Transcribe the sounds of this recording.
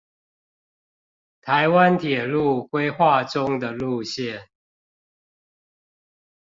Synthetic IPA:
t̪ʰa˨˦ɪwa˦nt̪ʰjɛ˨˩lu˥˨kwe˥˦ɪxwa˥˨ʈ͡ʂʊ˦ŋd̪ə˨lu˥˨ɕjɛ˥˨n

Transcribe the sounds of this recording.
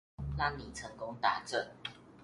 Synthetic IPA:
la˥ŋni˨˩t͡sʰə˧˥ŋkʊ˦ŋt̪a˨˧˦ʈ͡ʂə˥˨n

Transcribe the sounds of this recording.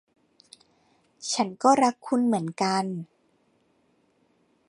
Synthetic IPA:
t͡ɕʰa˦˥nkɔː˥˩ɾa˦˥kʰːu˧nmɯ˩˦ənka˧n

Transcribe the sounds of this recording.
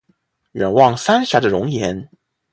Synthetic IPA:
ɥɛ˨˩nwɑ˥˩ŋsa˥nɕa˧˥də˨ɻʊ˧˥ŋjɛ˧˥n

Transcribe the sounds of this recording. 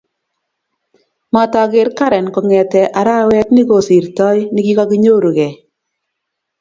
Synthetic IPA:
ma˨ta˨ɡɪ˨ɾka˦ɾɛ˨nkɔ˨ŋɛ˨tɛ˨ʔa˨ɾa˦wɛ˦tnɪ˦ɡo˨si˨ɾtɔ˦jnɪ˦ki˦kɔ˦ki˦ɲo˦ɾu˨ɣɛ˨

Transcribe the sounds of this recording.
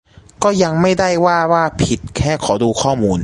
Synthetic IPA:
kɔː˥˩ja˧ŋma˥˩jda˥˩jwaː˥˩waː˥˩pʰi˨˩t̪̚kʰɛː˥˩kʰɔː˩˦duː˧kʰɔː˥˩muː˧n

